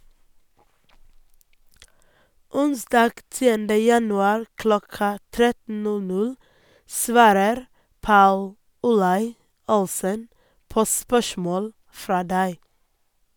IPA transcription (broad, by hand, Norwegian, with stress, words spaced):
ˈʊnsdɑːɡ ˈtiːəndə jɑnʉˈɑːɾ ˈklɔkɑ ˈtɾɛtn̩ ˈnʉ ˈnʉɽ ˈsʋɑːɾəɾ ˈpɑʉl ʊˈlɑɪ ˈʊlssən ˈpoː ˈspœʃmoːɽ ˈfɾɑː ˈdæɪ